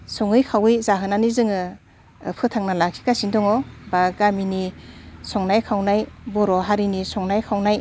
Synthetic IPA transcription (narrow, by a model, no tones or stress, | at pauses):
sɔŋɯjkʰawijzaɦɯnanizɯŋɯ | pʰɯtʰaŋnalakʰi̥kasindɔŋɔbaɡaminisɔŋnajkʰawnajbɔɾɔɦaɾinisɔŋnajkʰawnaj